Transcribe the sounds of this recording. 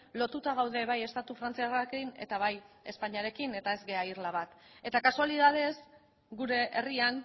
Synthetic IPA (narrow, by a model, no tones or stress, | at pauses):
lo̞t̪ut̪aɣ̞awðe̞βaje̞st̪at̪ufɾant͡siarakine̞̰t̪aβaj | e̞spaɲiaɾe̞kine̞t̪ae̞zɡe̞airlaβ̞at̪e̞t̪akasualið̞að̞e̞s | ɡuɾe̞ʔerian